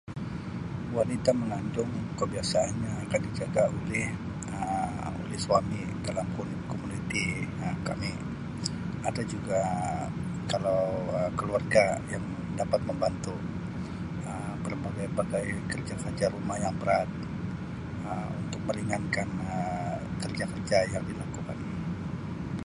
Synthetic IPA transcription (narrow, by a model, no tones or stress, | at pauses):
wanit̪aməŋandʊŋkəbiasaːnɲaːkandid͡ʒaɡaolɛh | ə | o̰lɛhsuami | dalamkunkomunit̪i | əka̰mi | adad͡ʒuɡa | kalawəkəluarɡajaŋ | dapat̪̚məmbant̪u | ə | bərbaɡajbaɡajkərd͡ʒakərd͡ʒaɾumahjaŋbəɾat̪̚ | əmunt̪ʊk̚məɾiŋankanəkərd͡ʒakərd͡ʒajaŋdilakuka̰n